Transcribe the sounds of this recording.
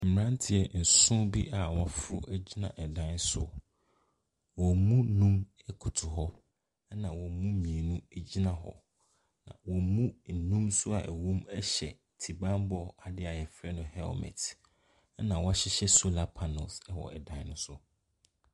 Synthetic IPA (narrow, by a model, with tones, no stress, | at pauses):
m̩˨m˨ɾã˦n˦tʰɪ˨ɛ˨n̩˨sʊ̃˦bi˦ʔa˨wɔ˦fʊ˦ɾʊ̰˦ʔæ˦d͡ʑi˦nã̰˨ʔɛ˨dã˦nsʊ̰˦ | wɔ˨mũ˦nũ˦m | ɛ˦kʰʊ˨tʰʊ˨ɦɔ˦ | nã˨wɔ˨mũ˦mĩ˨e˨nũ˦æ˨d͡ʑi˦nã˦ɦɔ̰˦ | nã̰˨wɔ˨mũ˦n̩˨nũ˦msʊ˦a̰˨ʔæ˨wũ˦mɛ˦ɕɛ̰˨ | tʰi˨bã˦mbɔ˦a˨dɪ˦a˨jɛ˨fɾɛ˦nʊ̃˨hɛ˦lmɛ̰˨t | nã˨wɔ˦ɕɪ˦ɕɛ˦sʊ˦la˦pʰa˨nɔ˨lsɛ˦wɔ̰˨ɛ̰˨dã˦nnʊ̃˦sʊ˦